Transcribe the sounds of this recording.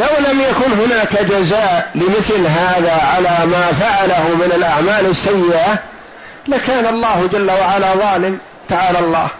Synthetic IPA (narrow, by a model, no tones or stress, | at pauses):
lawlamjakʊnɦʊnaːkad͡ʒazaːʔlɪmɪθlɦaːðaʕalaːmaːfaʕalahʊmɪnalʔaʕmaːlɪsːajːɪʔa | lakaːnalˤːɑːhd͡ʒalːawaʕalaðˤɑːlɪm | t̪aʕaːlalˤːɑ̰ːh